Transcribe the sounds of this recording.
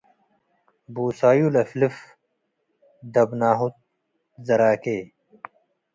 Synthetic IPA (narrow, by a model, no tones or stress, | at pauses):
buːsaːjulɐflif | d̪ɐbnaːɦut̪̚ | zɐɾaːkeː